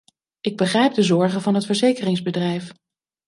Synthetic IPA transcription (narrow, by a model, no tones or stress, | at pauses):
ʔɪɡ̚bəχrɛjb̚dəzɔɹχənvɑnɦətfəɹzejkərɪŋzbədrɛjf